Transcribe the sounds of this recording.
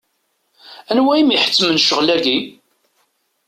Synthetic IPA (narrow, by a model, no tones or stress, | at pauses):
ænwæimiħə̥t͡sːmənʃəʁlæɡi